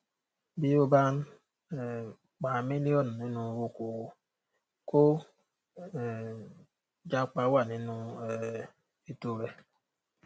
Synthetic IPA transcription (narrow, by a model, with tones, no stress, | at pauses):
bi˦o˦ba˦n̩˦˨ | k͡pa˨me˦ni˦ɔ˦nu˨ni˦nũ˨˦wo˦ko˨wo˦ | ko˦˨ | d͡ʒa˦k͡pa˦wa˦˨ni˦nu˦e˨ | e˦to˦ɾe˦